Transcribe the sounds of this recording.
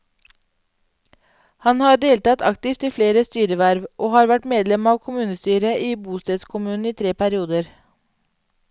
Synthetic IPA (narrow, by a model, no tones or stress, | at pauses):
hɑnhɑːɖeːlt̪ɑːt̪ʰɑkt̪ɪft̪ʰɪfleːɾəst̪yːɾəʋæɾʋʔoːhɑːɾʋæʈmeːd̪lɛmɑːʋkʰʊmʉːnəst̪yːɾəʔiːbuːst̪eːd̪skʰʊmʉːn̩iːt̪ʰɾeːpʰæɾɪuːd̪əɾ